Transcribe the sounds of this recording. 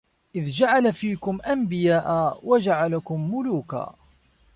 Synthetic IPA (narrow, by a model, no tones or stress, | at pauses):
ʔɪðd͡ʒaʕalafiːkʊmʔambɪjaːʔawʔad͡ʒaʕalakʊmːʊluːka̰ː